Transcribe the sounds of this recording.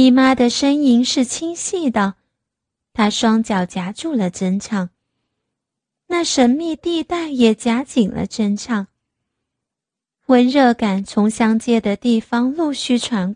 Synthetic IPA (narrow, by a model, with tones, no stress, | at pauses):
i˨˩ma˥d̪ə˨ʂə˥ŋi˧˥ŋʂɻ̩˥˩t͡ɕʰi˥ŋɕi˥˩d̪ə˩ | t̪ʰa˥ʂwɑ˥ŋt͡ɕjɑ˨˩ʊt͡ɕja˧˥ʈ͡ʂu˥˩lə˩ʈ͡ʂə˥nʈ͡ʂʰɑ˥˩ŋ | na˥˩ʂə˧˥nmi˥˧t̪i˥˧t̪a˥˩ɪjɛ˨˩t͡ɕja˧˥t͡ɕi˨˩ŋlə̰˦ʈ͡ʂə˥nʈ͡ʂʰɑ˥˩ŋ | wə˧˥nɻɤ˥˩ka˨˩nt͡sʰʊ˧˥ŋɕjɑ˥ŋt͡ɕjɛ˥d̪ə˨t̪i˥˩fɑ˥ŋlu˥˧ɕy˥˩ʈ͡ʂʰwa˧˥nk